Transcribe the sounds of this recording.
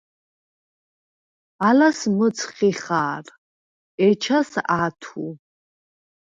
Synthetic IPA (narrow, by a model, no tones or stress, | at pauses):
alasmət̪t͡sʰχiχaːr | ɛt͡ʃʰasaːt̪ʰu